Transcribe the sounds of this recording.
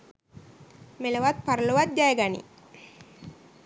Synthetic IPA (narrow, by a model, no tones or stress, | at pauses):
meləʋat̪̚paɾəloʋat̪̚ɡajəɡanḭ